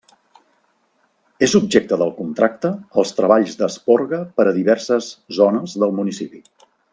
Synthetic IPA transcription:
ezub̚ʒek̚t̪əðəlˠkunt̪ɾak̚t̪əːlˠst̪ɾəβaʎzd̪əspoɾɣəpəɾəðiβɛrsəzzonəzðəlˠmunisipi

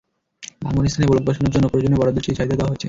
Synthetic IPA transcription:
ba̰ŋonist̪ʰanebolok̪̚baʃoneɾd͡ʑonːopɾod͡ʑonebɔɾad̪oɾʃit͡ɕʰʃaɦid̪ʱad̪ewaɦoet͡ɕʰe

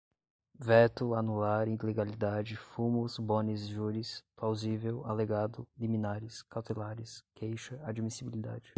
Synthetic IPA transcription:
vɛt̪ʊanulaɾĩleɡalid̪ad͡ʒɪfumʊzbõnizʒuɾisplawzivewaleɡad̪ʊlimĩnaɾɪskawt̪elaɾɪskʰejʃɐad͡ʒimisibilid̪a̰d͡ʒɪ

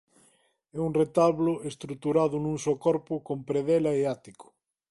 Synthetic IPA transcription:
ɛuŋret̪aβlʊʔest̪ɾut̪uɾaðʊnũŋsokɔɾpʊkompɾeðɛlaeat̪ikʊ̥

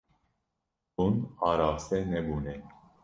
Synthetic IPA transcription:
unɑːɾaːsɛnɛbunɛ

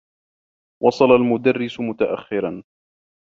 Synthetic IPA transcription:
wʔɑsˤɑlalmʊd̪arːɪsʊmʊt̪aʔa̰xːɪɾan

